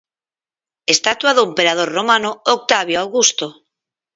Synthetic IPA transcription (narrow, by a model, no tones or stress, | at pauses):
est̪at̪waðoempeɾað̞oɾromanook̚t̪aβ̞joawɣust̪o